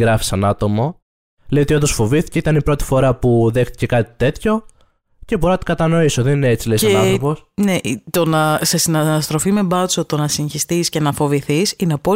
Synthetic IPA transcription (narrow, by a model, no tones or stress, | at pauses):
ɡɾɐfi̥sɐnɐt̪o̞mo̞ | lejo̞t̪iond̪o̞sfo̞viθi̥ceit̪ɐnipɾo̞t̪i̥fo̞ɾɐpuðe̞xt̪i̥ce̞kɐt̪i̥t̪e̞t̪ço̞ | ce̞bo̞ɾonɐt̪i̥kɐt̪ɐno̞iso̞ðenineet͡silejsɐenɐθoposneʔit̪o̞nɐse̞sinɐst̪ɾo̞fime̞bɐsot̪o̞nɐsinçist̪isce̞nɐfo̞viθisineɐpo̞